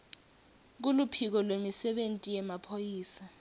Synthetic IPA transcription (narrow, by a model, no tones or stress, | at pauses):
k̬ulupʰik̬ɔlwemisɛɓentʼijɛmapʰojiːsa